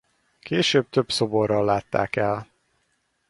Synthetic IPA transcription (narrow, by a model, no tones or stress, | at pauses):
kʰeːʃøːb̚t̪øbso̞borːɒlːaːt̪ːa̰ːkɛl